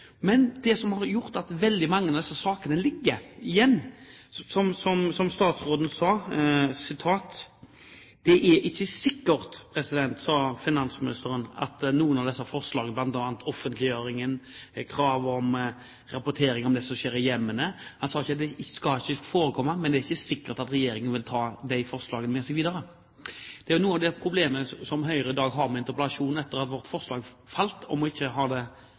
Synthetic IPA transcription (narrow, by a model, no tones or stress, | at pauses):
mɛnd̪̥ɛsɔmhɑɾjʊɾt̪ɑt̪ʋɛld̪ɪmɑŋːənɑʋd̪ɛsːəsɑːkənəlɪɡːəɪjɛnːsɔmsɔmsɔmst̪ɑːt̪sɾoːd̪n̩sɑːsɪt̪ʰɑːt̪ | d̪̥ɛʔɛɪçːəsɪkːəɾt̪pʰɾɛsɪd̪ɛnt̪sɑːfɪnɑnsmɪnɪst̪əɾənɑ̰t̪nuːənɑʋd̪ɛsːəfɔʁslɑːɡəblɑnt̪ɑʋɑnt̪ʰɔfənt̪ʰlɪjøːɾɪŋənkʰɾɑːʋɔm | ɾɑpʊt̪ʰeːɾɪŋɔmd̪ɛsɔmɕeːɾəjɛmːənəhɑnsɑːɪçːəd̪ɛskɑɪçːəfoːɾəkʰɔmːəmɛnd̪ɛæɾɪçːəsɪkːəɾt̪ɑt̪ɾɛjeːɾɪŋənʋɪlt̪ʰɑːd̪ɛɪɪfɔʁslɑːɡənmɛːsɛɡʋiːd̪əɾə | d̪̥ɛæɾjnuːənɑʋd̪ɛpʰɾʊbleːməsɔmɦœʏɾəɪd̪ɑːɡɦɑʁmɛɪnt̪əɾpəlɑʂuːnɛt̪ːəʁɑt̪ʋɔʁt̪fɔɾslɑːɡ | fɑlt̪ʰɔmɔɪçːəɦɑːd̪ɛ